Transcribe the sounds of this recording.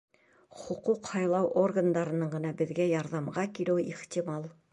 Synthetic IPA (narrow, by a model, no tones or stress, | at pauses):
χŏquqhɑjlˠɑwʔorɡand̪ɑɾɤ̆nɤɴɢɤ̆nɑbɘ̆ðɡæjɑɾðɑmɢɑkilɘwiχt̪ʲimɑlˠ